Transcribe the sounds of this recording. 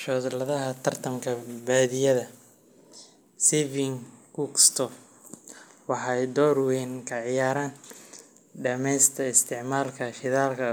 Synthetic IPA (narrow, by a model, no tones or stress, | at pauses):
ʃɔːðlɐðɐɦɐt̪ʰɐrt̪ʰɐmkʰɐbaːðɪjɐðɐ | sivɪŋkukst̪ʰɔf | wɑħɑjd̪ɔːɾwɛnkʰɐʕɪjaːɾaːn | ɖɐmɛjst̪ʰɐɪst̪ʰɪʕmaːlkʰɐʃɪðaːlkʰɐ